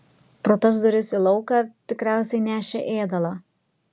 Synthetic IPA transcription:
pɾoːt̪ɐz̬d̪ɔɾʲʊsilˠɒʊkɑːt̪ʲɪkɾʲæˑʊsʲɛɪnʲæːʃʲḛʔeːd̪ɐlˠɑː

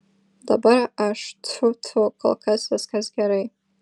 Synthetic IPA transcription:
da̰baɾaʔaʂtʰutʰukʰʼo̰lkʰazazkʲazɡʲaɾej

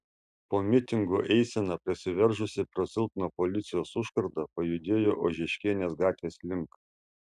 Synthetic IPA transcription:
poːmʲɪt̪ʲɪŋɡoʔɛɪsʲenɐpʲɾʲɪsʲɪʋʲɛɾʒʊsʲɪpɾɐsʲɪlˠp̪nopɔlʲɪt̪sʲɪjoːsʊʃkɐɾd̪ɐpɐjʊd̪ʲeːjoːʔoːʒʲɛʃʲkʲeːnʲeːsɡɑːt̪ʲʋʲeːslʲɪŋk

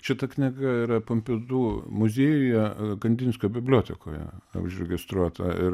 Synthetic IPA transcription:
ʃʲɪt̪ɐkʲnʲɪɡɐɪɾɐpɐmʲpʲɪd̪uːmʊzʲeːjʊjɛɡɐnʲd̪ʲɪnʲsʲkʲobʲɪbʲlʲoːt̪ʲɛko̰ːjɛ̰ʊ̰ʃɾʲɛɡʲɪst̪ɾuɔt̪ɐɪ

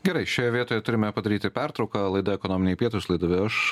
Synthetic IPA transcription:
ɡʲɛɾɐɪʃʲoːjɛʋʲiɛt̪oːjɛt̪ʊɾʲɪmʲɛpɐd̪ɐɾʲiːt̪ʲɪpʲæɾt̪ɾɒʊkɐlˠɐɪd̪ɐɛkonoːmʲɪnʲɛpʲiɛt̪ʊslˠɐɪd̪ʊʋʲɪɐʃ

